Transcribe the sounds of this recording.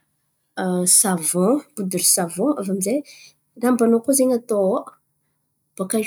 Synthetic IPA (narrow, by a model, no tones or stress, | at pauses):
savɔ̃b̥ud̪uɾsavɔ̃avamize | rambanokuzeɲat̪o | b̥aka